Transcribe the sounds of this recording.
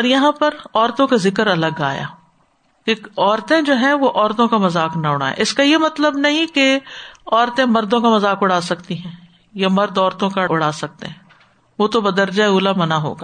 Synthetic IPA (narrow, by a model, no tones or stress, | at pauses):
ɔːɾjɐɦãpɐɾɔːɾt̪õkazɪkəɾɐləɡa̰ːja̰ː | keɔːɾt̪ẽd͡ʒoːɦɛ̃ʋoʔɔːɾt̪õkamɐzaːknaʊɽ̤̃a̰ːḛʔɪskajemɐt̪ləbnɐɦĩkeɔːɾt̪ẽmɐɾd̪õkamɐzaːkʊɽ̤aːsɐkt̪iɦɛ̃ː | jamɐɾd̪ɔːɾt̪õkaʊɽaːsɐk̚t̪ḛɦɛ̃ː | ʋoːt̪obɐd̪əɾd͡ʒaeuːlamɐnaɦo̰ːɡaː